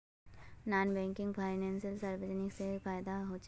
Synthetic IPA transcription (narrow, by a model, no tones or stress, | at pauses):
naːnbɛ̃ːŋkɪ̃ŋɡpʰaːɪnɛ̃ːnsəlsɐɾʋəd͡ʒnɪksefaːɪd̪aɦoːt͡ʃ